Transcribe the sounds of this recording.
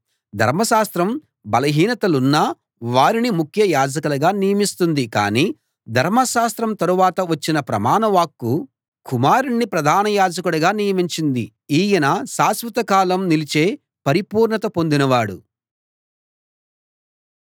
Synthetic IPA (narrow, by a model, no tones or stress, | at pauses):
d̪ʱɐ̰ɾmɐʃaːst̪ɾɐm | bɐlɐɦiːnɐt̪ɐlunːɐ | ʋaːɾinimukʰjɐjaːd͡ʒɐkɐlɐɡaːnijɐmist̪und̪ika̰ːniː | d̪ʱɐɾmɐsʃaːst̪ɾɐmt̪ɐɾuʋaːt̪ɐʋɐt͡ʃːinɐpɾɐ̰maːnɐʋaːkːu | kumaːɾuɳːipɾɐd̪ʱaːnɐjaːd͡ʒɐkuɽɐɡaːnijɐmiɲt͡ʃind̪i | iːjɐnasaːsʋɐt̪ɐkaːlɐmnilit͡ʃe̞ː | pɐɾipuːɾɳɐt̪ɐpo̞nd̪inɐʋaːɽṵ